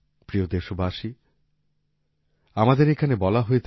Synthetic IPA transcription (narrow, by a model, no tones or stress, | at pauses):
pɾiod̪eʃobʱaʃi | amad̪eɾekʰanebɔlaɦojet̪ʰ